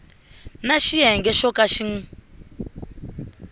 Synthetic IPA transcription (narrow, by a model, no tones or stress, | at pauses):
naʃiɦɛŋɡɛʃɔkaʃiŋ̩